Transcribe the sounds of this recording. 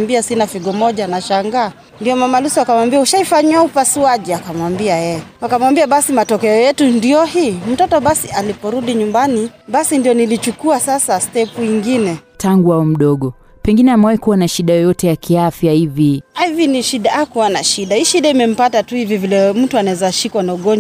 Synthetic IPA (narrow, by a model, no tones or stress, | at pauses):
mbiasinafiɡɔmɔʄanaʃaŋɡaː | ndijɔmamalusuakamwambiauʃaifaɲiaupasuaʄiakamwambiajɛɛakamwambiaɓasimatɔkɛɔjɛtundijɔhiːm̩tɔtɔɓasialipɔɾuɗiɲumbaniɓasindiɔnilit͡ʃukuasasastɛpuiŋɡinɛtʰaŋɡuaɔm̩ɗɔɠɔ | pɛŋɡinɛamɛwaikuwanaʃiɗajɔjɔtɛjakiafjahiviaiviniʃiɗaakuwanaʃiɗahiʃiɗaimɛm̩patatuhivivilɛm̩tuanaɛzaʃikwanauɡɔnd͡ʒ